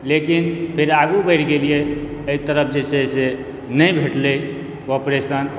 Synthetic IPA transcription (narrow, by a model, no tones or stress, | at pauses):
lekinpʰeɾaɡubəɪʈɡelijeeit̪əɾəp̚ʰd͡ʒesese | nəjbʱeʈle | opɾesən